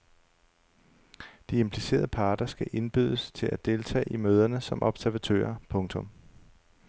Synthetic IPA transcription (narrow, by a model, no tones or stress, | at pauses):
d̥ie̝mpʰlise̝̰ːɐ̰ð̞ˠəpʰɑ̈ːd̥ɐsɡ̥æʔe̝nb̥yð̞ˠəst͡sʰe̝læd̥e̝lt͡sʰɛ̰ːimøːð̞ˠɐnəsɒ̽mʔɒ̽b̥sæɐʋæt͡sʰø̰ːɐpʰɔ̽ŋt͡sʰɔ̽m